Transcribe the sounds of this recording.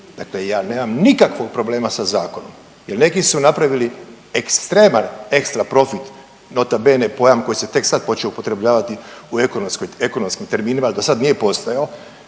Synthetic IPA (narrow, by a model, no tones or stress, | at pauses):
d̪aklejaːne̞ːmamnikakʋo̞ɡ̚pɾo̞ble̞ːmasazaːko̞no̞m | jelne̞kisunapɾaʋili | ekst̪ɾeːmane̞kst̪ɾapɾo̞fit̪ | not̪abe̞nepo̞jamkojiset̪e̞ksad̪̚po̞t͡ʃeoupo̞t̪ɾe̞bʎaːʋat̪iuekonomskojeko̞nomskimt̪e̞ɾmiːnimalid̪osad̪nije̞po̞st̪ojao